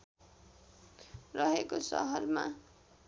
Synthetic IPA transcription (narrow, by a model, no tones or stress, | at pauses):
rʌɦekosʌ̰ɦʌrma̰